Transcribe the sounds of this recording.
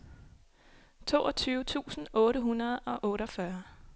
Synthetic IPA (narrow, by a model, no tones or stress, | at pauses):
t͡sʰo̝̰ːʔɒ̽t͡sʰyːʊət͡sʰṵːsn̩ɔ̽ːɾəɦunɐð̞̩ˠɒ̽ʔɔ̽ːɾɒfɶɐ